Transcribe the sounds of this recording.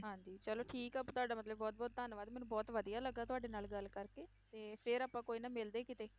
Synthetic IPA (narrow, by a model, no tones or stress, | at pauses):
ɦãːɲd͡ʒiːt͡ʃəloːʈʰiːkəpːt̪ʊaːɖaːmət̪ləbːɔːt̪̚bɔːt̪̚d̪əːnʋaːd̪mɛːnũːbɔːt̪ʋəd̪ijaːləɡ̪ːaːt̪ʊaːɖeːnaːlɡəlkəɾkeː | t̪eːpʰɪɾaːpãːkoːiːnaːmɪld̪eːkɪt̪eː